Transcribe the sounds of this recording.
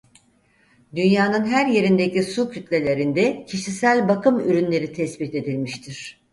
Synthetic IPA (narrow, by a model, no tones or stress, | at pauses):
d̪ynjaːnɯnɦæɾje̞ɾind̪ecisucʰyt̪lʲe̞lʲe̞ɾind̪ɛcʰiʃisælʲbakʰɯmyɾynlʲe̞ɾit̪ʰɛsbit̪e̞d̪ilʲmiʃt̪ʰiɾ̝̥